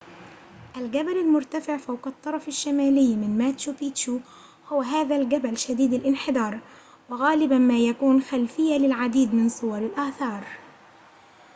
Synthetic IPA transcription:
ʔalɡabalalmʊɾt̪afɪʕfawqɑt̪ˤːɑɾˤɑfaʃːamaːlɪjːmɪnmaːt̪jupiːt̪ʃu | hʊwaɦaːðalɡabalʃad̪iːd̪ɪlʔɪnħɪd̪ɑːɾˤ | wɪɣaːlɪbamaːjakuːnxalfɪjːalɪlʕad̪iːd̪mɪnsˤʊwɑɾˤɪlʔaːθɑːɾˤ

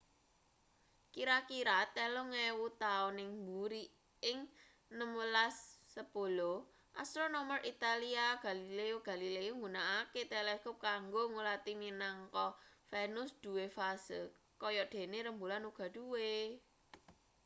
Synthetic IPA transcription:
kiɾakiɾat̪elɔŋewut̪aɔnɪŋmbuɾi | ɪŋ | nəmwəlasːəpolo | ʔast̪ɾonomərʔit̪aliaɡ̥a̤lileoɡ̥a̤lileoŋɡunaaket̪eleskʊp̚kaŋɡoŋulat̪iminaŋkɔfɛnʊsd̪̥ṳwefasə | kɔjɔd̪̥e̤neɾəmbulanuɡ̥a̤ɖ̥uwe

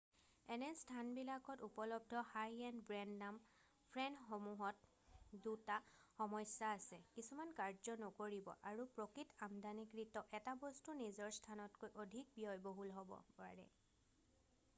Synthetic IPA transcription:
ɛnɛstʰanbilakɔtupɔlɔb̚dʱɔhajɛnbɹɛndnam | pʰɹɛnxomuɦɔt | dutaxɔmɔjsaːsɛkisumankaɹzɔnokoɹibɔ̰ʔaɹupɹokɹitamdanikɹitɔʔɛtabɔstunizɔɹstʰanɔtkojʔodʱik̚bijɔjboɦulɦɔbɔ̰paɹɛ̰

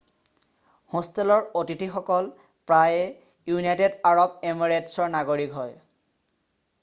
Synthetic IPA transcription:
hɔ̃stelɔɹotitʰixɔkɔl | pɹajɛ | junajtedaɹɔb̚emaɹetsɔɹnaɡoɹikɦɔj

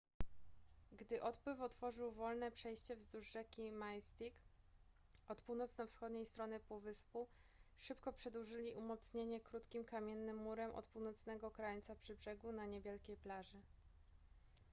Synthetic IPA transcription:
ɡd̪ɘʔɔt̪pwɘfɔt̪fɔʐɘwvɔlnɛpʂɛjɕt͡ɕɛvzd̪uʐːɛkʲimajst̪ik | ɔt̪puwnɔt̪snɔ̃fsxɔd̪ɲejst̪ɾɔnɘpuvɘspuʂɘpkɔpʂɛd̪wuʐɘlʲiʔumɔt̪sɲeɲɛkɾut̪kʲimkamʲjɛnːɘmːuɾɛmʔɔ̰t̪puwnɔt̪snɛɡɔkɾaɲt̪sapʂɘbʐɛɡunaɲɛbʲjɛlkʲejplaʐɘ

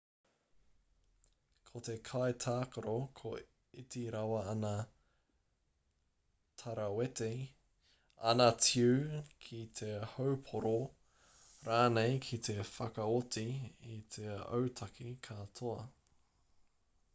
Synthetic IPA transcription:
kʰot̪e̞kʰajtʰaːkoɾokʰo | itiɾɐwɐɐnɐ | tʰɐɾɐwete | ɐ̰nɐtʰiwkʰit̪ʰehowpʰoɾo | ɾaːnejkʰit̪ʰe̞fɐkɐotiit̪ʰeɐ̰wtʰɐkʰikʰɐtʰoɐ

